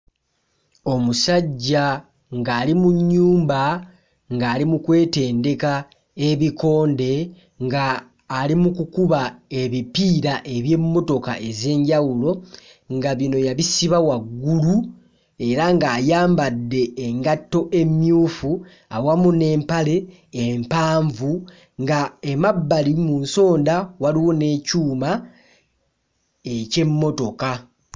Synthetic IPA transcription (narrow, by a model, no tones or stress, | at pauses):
o̞musaɟːa | ŋɡaːlimuɲːuːmba | ŋɡaːlimukwe̞ːte̞ːnde̞ka | e̞βiko̞ːnde̞ | ŋɡaː | limukukuβae̞βipiːɾaʔe̞βje̞ːmːo̞to̞ka̰ʔe̞ze̞ːɲɟawulo̞ | ŋɡaβino̞jaβisiβawaɡːulu | e̞ɾaŋɡaːjaːmbadːe̞ːŋɡatːo̞ʔe̞mjuːfu | awamune̞ːmpale̞ː | mpaːɱvu | ŋɡaemabːalimunso̞ːndawaliwone̞ːcuːma | ece̞mːo̞to̞ka